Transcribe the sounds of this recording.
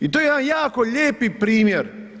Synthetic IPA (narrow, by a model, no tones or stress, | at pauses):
it̪ojeed̪anjaːkoʎeːpipɾiːmjeɾ